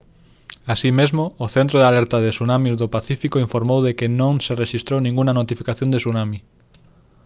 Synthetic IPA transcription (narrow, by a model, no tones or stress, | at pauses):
asimezmoːθent̪ɾoðalɛɾt̪aðesunamizðopaθifikoiɱfoɾmowðekɪnõŋsereʃist̪ɾownĩŋɡuŋɐnot̪ifikaθjõnd̪esunami